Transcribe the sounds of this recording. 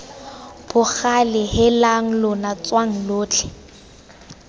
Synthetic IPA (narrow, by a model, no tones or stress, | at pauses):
b̥ʊχalɪhɪlaŋ̩lʊnat͡swaŋ̩loːt͡ɬʰɪ̥